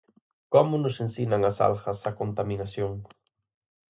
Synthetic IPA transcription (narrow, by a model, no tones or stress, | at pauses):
komonosensinaŋasa̰lxasakont̪aminasjoŋ